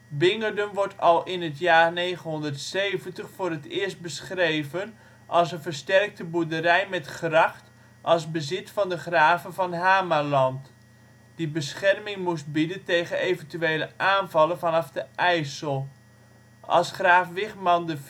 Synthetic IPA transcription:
bɪŋərdəmʋɔɹtʰɑlˠʔɪnətjaːrneːχənɦɔndərtsejvəntəχfʊːrətɪːst̚bəsχrejvən | ʔɑlˠsənvərstɛrk̚təbuɹdəɾɛjmɛtχrɑχt | ʔɑlˠsbəzɪtfɑndəχraːvənvɑnɦaːmalɑnt | d̥ibəsχɛrmɪŋmust̚bidəntejɣənejvəntyeːləʔaːnvɑlˠənvɑnɑfdəʔɛjsəlˠ | ʔɑ̰lˠsχraːfʋɪχmɑndə

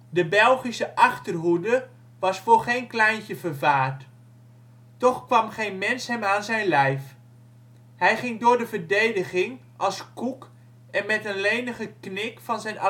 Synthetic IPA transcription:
dəbɛlˠχisəʔɑχtərɦudə | ʋɑsfʊːɹχejnklɛjntəvəɹvaːrt | tɔχkʋɑmχejnmɛnsɦɛmaːnzɛjnlɛjf | ɦɛjχɪŋdʊːɹdəvəɹdejdəχɪŋ | ʔɑlˠskuk | ɛnmɛtənlejnəχəknɪkfɑnzɛjnɑ

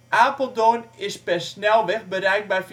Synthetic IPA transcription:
ʔaːpəlˠdoːnɪspɛsnɛlˠʋɪχbəɾɛjk̚bɛjf

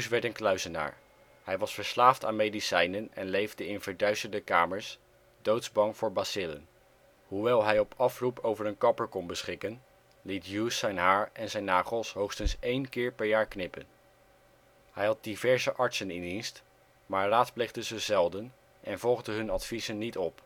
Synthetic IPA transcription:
jusʋɛɹtənklœɥzəna̰ːɹ | hɛjʋɑsfəɹslaːftaːnmejdisɛjnənɛ̰nlejvdəɪnv̥əɹdœɥstəɹdəkaːməɹs | dowtzbɑŋv̥ʊːɹbasɪlə̰n | ɦuʋɛlˠɦɛjɔpʰɑfrupʰowvəɹənkɑpəɹkɔnbəsχɪkən | litjuːsɛjnɦaːɹʔɛnzɛjnːaːχəlˠsɦowχstənsejnkɪːɹpɛɹjaːɹknɪpə̰n | hɛjɦɑt̚divɛɹzəʔɑɹtsənɪndinst | maːɹraːtsplejdəzəzɛlˠdən | ʔɛnvɔlˠχdəɦɵnɑtfizənːitɔp

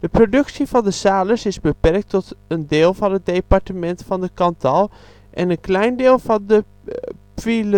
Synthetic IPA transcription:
d̥əprodɵksjivɑndəsaːləsɪsbəpɛrk̚tʰːɔtəndeːlˠfɑnət̚departəmɛntfɔndəkɑntʰɔlˠ | ʔɛnənklɛjndeːlˠfɑndə | pfilə

